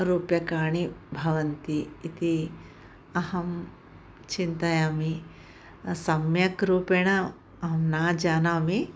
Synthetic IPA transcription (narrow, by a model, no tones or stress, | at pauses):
ɾuːpjɐkaːɳibʱɐʋɐnt̪iːt̪i | ɐhɐm | t͡ʃint̪ɐjaːmi | sɐmjɐkɾuːpeːɳɐ | ɐɦɐmnaːd͡ʒaːnaːmi